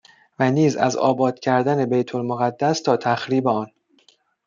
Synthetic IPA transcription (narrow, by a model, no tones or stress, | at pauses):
væniːzæ̰zɒ̰ːbɒːd̪̥cʰæɾd̪æne̞bejt̪ʰolmoɣæd̪ːæst̪ʰɒːt̪ʰæxɾiːbeɒːn